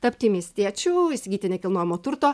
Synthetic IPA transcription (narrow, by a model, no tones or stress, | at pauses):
t̪ɐpʲt̪ʲiːmʲiɛsʲt̪ʲiɛt͡ʃʲuːiɪsʲɪɡʲiːt̪ʲɪnʲɛkʲɪlˠnoːjɪmoːt̪ʊɾt̪oː